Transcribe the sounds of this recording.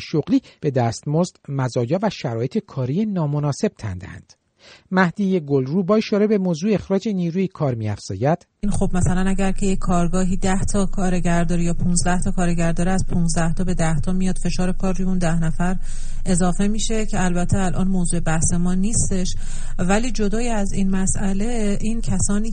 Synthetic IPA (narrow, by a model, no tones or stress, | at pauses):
ʃoɣliːb̥e̞d̪æːst̪mozd̪̥mæzɒːjɒːvæʃæɾɒːje̞t̪ʰekʰɒːɾijenɒːmonɒːse̞b̥̚t̪ʰæ̰nd̪ḛhæ̰nd̪̥ | mæhd̪iːje̞ɡolruːbɒːeʃɒːɾebe̞moːzuːeexɾɒːd͡ʒe̞niːɾuːekʰɒːɾmiːæ̰fz̥ɒ̰ːjæd̪̥ | inxo̞bmæsælænæɟæɾcʰe̞jekʰːɒːɾɡɒːɦiːd̪æht̪ʰɒkʰɒːɾe̞ɟæɾd̪ɒːɾijɒːpʰuːnzd̪æht̪ʰɒːkʰɒːɾe̞ɟæɾd̪ɒːɾeæspʰunzd̪æht̪ʰɒːbe̞d̪æht̪ʰɒːmijɒːd̪̥fe̞ʃɒːɾekʰɒːɾrːujeuːnd̪æhnæfæɾ | e̞zɒːfe̞miːʃe̞cʰe̞ælbæt̪ʰːeælʔɒːnmozuːe̞bæhse̞mɒːniːst̪e̞ʃ | væliːd͡ʒo̞d̪ɒːjiæziːnmæsʔæle̞ | ʔiːncʰæsɒːniː